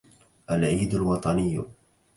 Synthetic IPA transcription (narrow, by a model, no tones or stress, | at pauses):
ʔalʕiːd̪alwɑt̪ˤɑnɪj̰ː